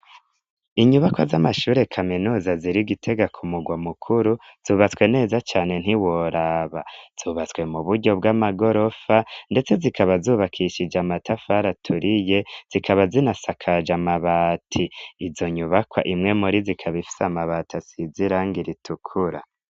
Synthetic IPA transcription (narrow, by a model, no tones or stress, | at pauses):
iɲuβakwazamaʃuːɾe̞kʰaminuːzaziɾiɡitʰe̞ɡakʰumuɡwamukʰuɾuz̥uːβat͡swe̞ne̞ːzat͡ʃaːne̞n̥hiwoɾaːβaz̥uːβat͡swe̞muβuɾɟo̞bɡamaɡo̞ɾo̞fande̞t͡se̞zikʰaβazuːβakʰiʃid͡ʒamatʰafaɾatʰuɾije̞z̥ikʰaβazinasakʰad͡ʒamaβaːtʰiːzoɲuβakwa̰ʔimŋe̞muɾizikʰaβifi̥samaβatʰasiziɾaŋɡiɾitʰukʰuɾa